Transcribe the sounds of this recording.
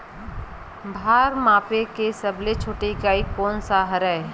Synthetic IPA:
bʱaːɾmãːpekesɐblet͡ʃʰoːʈekaːikɔːnsaɦəɾɛ

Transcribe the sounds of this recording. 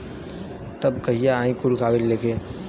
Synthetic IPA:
t̪ɐbkɐɦijaaːĩkʊlkʰaːbɪlleːkʰẽː

